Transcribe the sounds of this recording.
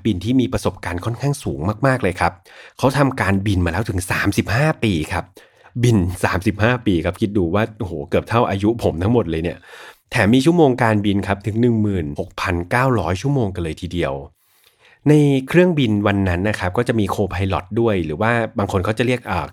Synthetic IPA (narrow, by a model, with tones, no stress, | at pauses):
bi˧nt̪ʰiː˥˩miː˧pɾa˧so˨˩p̚kaː˧nkʰɔ˥˩nkʰaː˥˩ŋsuː˩˦ŋmaː˥˩k̚maː˥˩k̚lɤː˧jkʰa˦˥p̚kʰa˦˥wt̪ʰa˧mkaː˧nbi˧nmaː˧lɛː˦˥wt̪ʰɯ˩˦ŋsaː˩˦msi˨˩p̚haː˥˩piː˧kʰa˦˥p̚ | bi˧nsaː˩˦msi˨˩p̚haː˥˩piː˧kʰa˦˥pkʰi˦˥t̪̚duː˧˩waː˥˩ʔo˧˩hoː˩˦kɯ˨˩əp̚t̪ʰa˥˩wʔaː˧ju˦˥ʔpʰo˩˦mt̪ʰa˦ŋmo˨˩t̪̚lɤː˧jni˥˩ɐt̪ʰɛː˩˦miː˧t͡ɕʰu˥˩əmoː˧ŋkaː˧nbi˧nkʰa˦˥p̚t̪ʰɯ˨˩˦ŋnɯ˨˩ŋmɯː˨˩nho˨˩k̚pʰa˧nkaː˥˩wɾɔː˦˥jt͡ɕʰu˥˩əmoː˧ŋka˧nlɤː˧jt̪ʰiː˧di˧əw | na˧jkʰɾɯ˥˩əŋbi˧nwa˧nːa˦˥nːa˦˥kʰa˦˥p̚kɔː˥˩t͡ɕa˨˩ʔmiː˧kʰoː˧pʰa˧jlɔ˨˩t̪̚du˥˩əjɾɯː˩˦waː˥˩baː˧ŋkʰo˧nkʰa˦˥wt͡ɕa˨˩li˥˩ək̚ʔəː˨˩